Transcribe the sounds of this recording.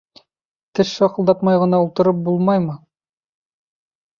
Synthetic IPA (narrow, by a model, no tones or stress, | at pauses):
t̪ɘʃːɒqɤ̆lˠd̪ɑpmɑjʁɤ̆nɑulˠt̪ɤ̆ɾɤp̚bulˠmɑjmɤ